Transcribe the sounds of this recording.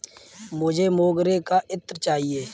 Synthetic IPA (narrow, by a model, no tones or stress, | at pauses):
mʊd͡ʒʱemoːɡɾekaʔɪt̪ːɾt͡ʃaːɦieː